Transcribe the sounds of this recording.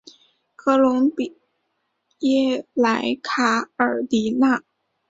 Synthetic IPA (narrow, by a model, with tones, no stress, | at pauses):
kʰɤ˧˥lʊ˧˥ŋpi˨˩ | jɛ˥˩la˧˥ɪkʰa˨˩ə˞˨˩t̪i˧˥na˥˩